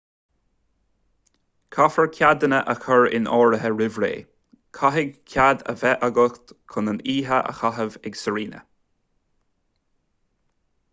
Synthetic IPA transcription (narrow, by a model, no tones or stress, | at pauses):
kʰafəɹkʲʰad̪ənəʔəxəɹɪ̰nɔːɹəɦəɹɪvɹḛː | kʰaɦɪɡkʲʰjad̪ə̰vɛʔaɡəxt̪kʰʊnəniːɦəʔə̰xaɦəvɛɡsəɹiːnə̰